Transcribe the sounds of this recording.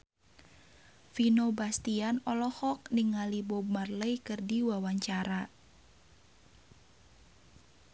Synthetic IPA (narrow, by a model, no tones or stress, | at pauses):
finobast̪ianɔlɔhɔk̚niŋalibomarləikɨrdiwawaɲt͡ʃaɾa